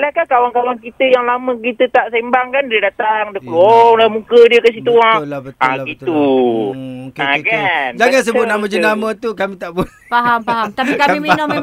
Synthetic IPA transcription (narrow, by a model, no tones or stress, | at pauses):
lahkankawankawankit̪əjaŋlamə̃kit̪ət̪aʔsembaŋkandədat̪aŋdəklɔŋlamukədiəkəs̬it̪uala̰ɡit̪u | kakand͡ʒaŋans̬əbʊt̪̚namãd͡ʒənamat̪ukamĩt̪aʔbu | faɦamfaɦamt̪apikamimenõmme